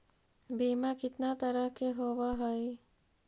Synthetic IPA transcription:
biːmakit̪nat̪əɾəkeɦoʋaɦɔj

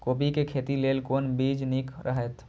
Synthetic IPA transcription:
koːbikekʰeːt̪ileːlkoːnbiːd͡ʒnikɾʔə̰ɦɛt̪

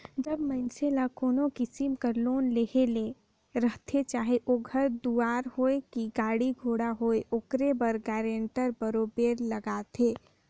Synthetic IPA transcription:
d͡ʒəbməɪnselakoːnokɪsimkəɾloːnleɦele | ɾəɦt̪ʰet͡ʃaːɦeʔoɡʱəɾd̪uaːɾɦoekiɡaːɽiɡʱoːɽaɦoːeʔokɾebəɾɡɛːɾẽɳʈəɾbəɾobeːɾləɡaːt̪ʰeː

